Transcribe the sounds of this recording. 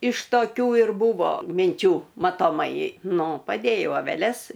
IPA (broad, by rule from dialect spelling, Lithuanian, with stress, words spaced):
ɪʃ toːˈkʲuː ɪr ˈbuːʋoː mʲɪnʲˈt͡ʃʲuː mɐtoːˈmɐɪ ˈnʊ pɐˈdʲeːjɛʊ ɐʋʲɛˈlʲɛs